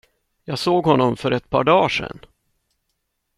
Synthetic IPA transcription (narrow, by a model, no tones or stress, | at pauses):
jɑːɡsoːɡhɔnːɔmfœɾɛt̪pʰɑ̰ːɖɑːʂɛ̰nː